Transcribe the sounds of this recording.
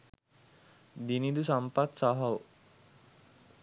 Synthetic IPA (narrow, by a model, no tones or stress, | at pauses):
d̪inid̪usampat̪saɦaw